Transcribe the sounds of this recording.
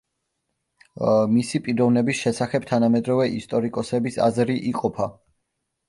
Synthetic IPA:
misipʼiɾɔvnɛbisʃɛsaχɛb̚t̪ʰanamɛd̪ɾɔvɛʔist̪ʼɔɾikʼɔsɛbisa̰zɾiʔiqʼɔpʰa

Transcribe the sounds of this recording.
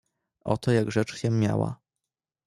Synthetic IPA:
ʔɔ̰t̪ɔjaɡʐɛt͡ʂɕɛmʲja̰wa̰

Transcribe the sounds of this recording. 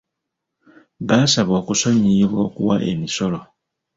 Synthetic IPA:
βaːsaβoːkuso̞ɲiβwo̞ːkṵwa̰ʔe̞̰miso̞lo̞

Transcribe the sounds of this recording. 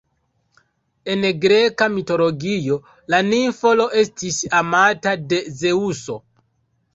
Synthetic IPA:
e̞nɡɾe̞kamito̞lo̞ɡijo̞ | laniɱfo̞lo̞ʔe̞stisamatade̞ze̞uso̞

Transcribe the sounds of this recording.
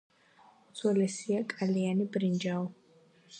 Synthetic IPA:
d̪zwɛlɛsiakʼalianibɾind͡ʒaɔ

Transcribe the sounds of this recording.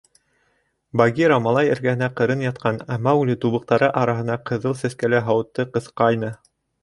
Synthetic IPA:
bɑɡʲiɾamɑlˠɑjɘ̆ɾɡæhɘ̆næqɤ̆ɾɤnjɑt̪̚qʰɑnæmɑwlʲit̪uβɤ̆q̚t̪ɑɾɤʔɑɾɑɦɤ̆nɑqʰɤ̆ðɤlˠsæskælæɦɑwɤ̆t̪ːɤqɤ̆θqɑjnɤ

